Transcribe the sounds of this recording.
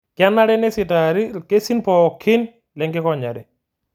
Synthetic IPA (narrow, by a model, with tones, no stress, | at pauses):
kɪa˦nːa˦ɾɛ˦nɛ˦sɪ˨taɾke˦si˦npɔ˨kʰɪ˦n | lɛ˨ŋɡɪ˦kɔ˨ɲa˨ɾɛ˨